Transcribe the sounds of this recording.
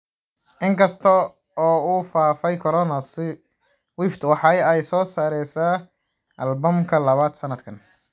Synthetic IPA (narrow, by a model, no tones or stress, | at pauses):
ʔɪŋkʰɐst̪ʰɔ | ɔːuːfaːfɛjkʰɔɾɔːnɐsɪ | wɪft̪wɑħɑjɛjsɔːsaːɾɛjsaː | ʔɐlbɔmkʰɐlɐβaːd̪sɐnɐd̪kʰɐn